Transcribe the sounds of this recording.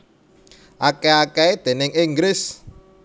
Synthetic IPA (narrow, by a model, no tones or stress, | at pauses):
ʔakeakɛed̪̥e̤nɪŋiŋɡlɪs